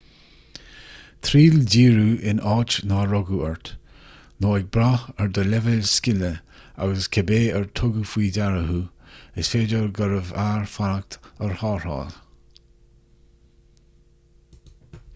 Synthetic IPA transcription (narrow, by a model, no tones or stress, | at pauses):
t̪ʰɾiːldiːɹuɪnʔɑːt͡ʃnaɾɔɡuɛɹt̪ | noːɪɡ̚bɾaəɹd̪əlɛvəlskɪləa̰ɡəskʰɛbeːəɹt̪ʰʊɡufwiːdaɹəɦuɪsfeːdəɹɡəɾəvaːɹfanak̚t̪əɹhɑːɹɑ̰ːl